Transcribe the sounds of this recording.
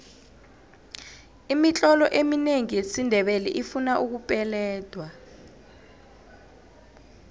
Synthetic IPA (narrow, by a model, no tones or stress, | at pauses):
imit͡ɬʼɔlɔʔemineŋiesindʱɛɓelḭʔifunaʔuk̬upʼɛlɛːd̥ʱwa